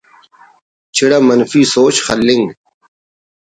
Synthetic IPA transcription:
t͡ɕʰiɽamɐnfisoːt͡ɕxɐlːiŋɡ

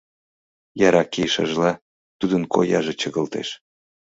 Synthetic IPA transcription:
jɑɾɑkiʃə̰ʒlɑ | t̪ud̪ənkʰo̰jɑʒet͡ɕəɣəlt̪ḛʃ

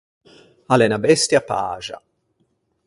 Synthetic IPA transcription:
alɛnabɛst̪japa̰ːʒa̰

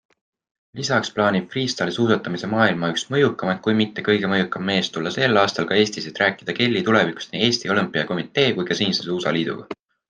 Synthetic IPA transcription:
lisɑksplɑːnʲib̥̚friːst̪ɑlesuːsɑt̪ːˑɑmise̞mɑːilmɑyksmɤjukːˑɑmɑt̪̚kujmit̪ːe̞kɤjɡe̞mɤjukːˑɑmːme̞ːst̪ulːɑse̞lːɑːst̪ɑlkɑe̞ːsʲt̪iset̪ræːkˑid̪̥ɑke̞lʲːit̪ule̞viku̥st̪niːe̞ːsʲt̪iolɨmpːˑijɑko̞mit̪ːˑe̞ːkujkɑsiːnsesuːsɑ̰liːd̪̥ṵɡ̥ɑ̰

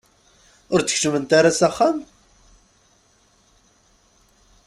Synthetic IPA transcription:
ʊɾt̪ːə̥çʃəmənt̪aɾasaχːam

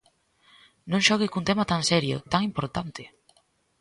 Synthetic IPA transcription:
nõŋʃɔɣekunt̪emat̪aŋsɛɾjʊ̰t̪aŋimpoɾt̪ant̪ɪ

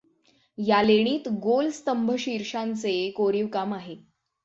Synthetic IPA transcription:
jaleɽ̃iːt̪ɡolst̪əmbʱəɕiɾʂant͡sekoɾiʋkamaɦe

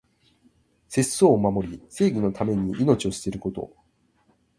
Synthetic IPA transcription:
se̞so̞ːmamo̞ɾʲise̞ːɡʲino̞t̪ʰame̞ɲ̟iʔino̞t͡ɕio̞ɕi̥t̪e̞ɾɯ̟ko̞t̪o̞̰

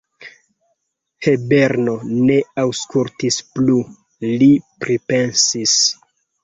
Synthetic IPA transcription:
hebe̞ɾnone̞awskultisplu | lipɾipe̞nsis

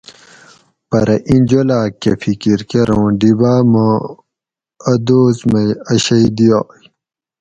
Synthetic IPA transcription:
pɐɾɐʔĩnd͡ʑolaːkefikiɾkeɾõːɖibaːmo | ɐd̪oːzmɐjɐɕɐjd̪ijoj

